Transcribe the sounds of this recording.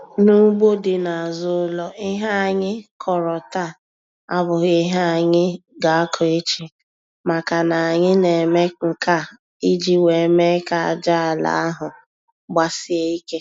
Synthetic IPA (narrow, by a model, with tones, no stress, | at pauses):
nu˦ɡ͡bo˦dɪ˨na˨a˨zʊ˦lɔ˦ʔɪ˦ɦa˦a˨ɲɪ˦kʰɔ˨ɾɔ˨ta˦˨ | a˦bʊ˨ɣʊ˦ɪ˦ɦa˦a˨ɲɪ˦ɡa˨a˦kʰɔ˨e˦t͡ʃi˨ | ma˨ka˨na˨a˨ɲɪ˦ne˨me˦ŋ̩˨ka˦˨ | i˦d͡ʒi˦we˨me˦ka˨a̰˨d͡ʒa˦˨la̰˨a˦ɦʊ˨ | ɡ͡ba˦sɪ˦e˦i˦ke˦